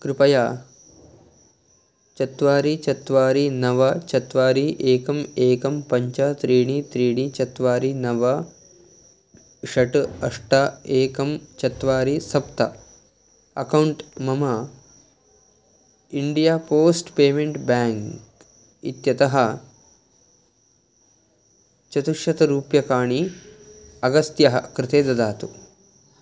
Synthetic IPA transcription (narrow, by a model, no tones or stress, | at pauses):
kɾɪpɐjaː | t͡ʃɐt̪ʋaːɾit͡ʃɐt̪ʋaːɾinɐʋɐt͡ʃɐt̪ʋaːɾiʔeːkɐmeːkɐmpɐɲt͡ʃɐt̪ɾiːɽit̪ɾiːɽ̃it͡ʃɐt̪ʋaːɾinɐʋɐ | ʃɐʈɐʂʈaeːkɐmt͡ʃɐt̪ʋaːɾisɐpt̪ɐ | ɐkɐwuɳʈmɐmɐ | iɳɖijaːpoːsʈpeːmeɳʈbaːŋk | it̪jɐt̪ɐɦɐ | t͡ʃɐt̪uʃjɐt̪ɐɾuːpjɐkaːɳi | ɐɡɐst̪jɐɦɐ̰kɾɪt̪eːd̪ɐd̪aːt̪u